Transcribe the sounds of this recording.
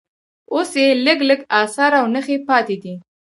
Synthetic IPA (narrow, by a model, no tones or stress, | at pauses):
osjeləɡləɡɑsɑɾawnəxepɑt̪ed̪i